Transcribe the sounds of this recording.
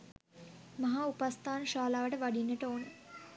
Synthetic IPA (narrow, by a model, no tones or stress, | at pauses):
mɐɦaːupast̪ʰaːnʃaːlaːʋəʈəʋaɖinːəʈəoːnə